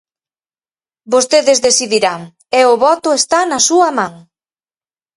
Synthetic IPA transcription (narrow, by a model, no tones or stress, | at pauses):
bost̪eðezðesiðiɾaŋ | eʊβɔt̪ʊest̪anɐsuɐmãŋ